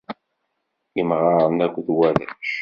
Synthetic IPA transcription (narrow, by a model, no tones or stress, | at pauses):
jəmʁɑɾˤənækʷðwæðæ̰ʃ